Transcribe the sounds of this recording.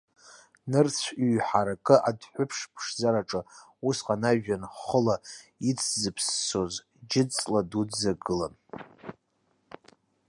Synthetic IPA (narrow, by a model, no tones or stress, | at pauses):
nɨrt͡sʷʰɥħaɾakʼɨʔadħʷʊpʰʂpʰʂzaɾaʈ͡ʂʼɨ | usqʼanaʒᶣanχəlait͡sʰzɨpʰsːoz | d͡ʒɪt͡sʼladuzaɡɨla̰n